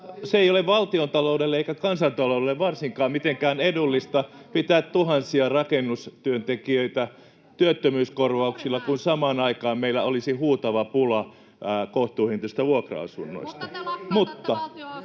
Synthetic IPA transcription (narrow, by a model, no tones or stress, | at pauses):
seeijoleʋʋɑlt̪iont̪ɑloudelːeeikækɑnsɑnt̪ɑlouelːeʋʋɑrsiŋkɑːmmit̪eŋkæːnedulːist̪ɑ | pit̪æːt̪t̪uhɑnsiɑrɑkenːust̪yønt̪ekiøit̪æ | t̪yøt̪ːømyːskorʋɑuksilːɑkunsɑmɑːnɑikɑːmmeilːˑæolisihuːt̪ɑʋɑpulɑ | koht̪uːhint̪ost̪æʋuokro̰ɑ̰sunːo̰ist̪ɑmut̪ːɑ